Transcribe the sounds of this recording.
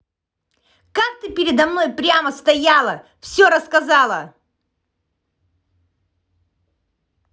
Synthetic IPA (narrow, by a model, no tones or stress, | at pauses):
kak̚t̪ɨpʲɪɾʲɪd̪ɐmno̞jpɾʲaməst̪ɐjalˠə | fsʲoɾəskɐzalˠə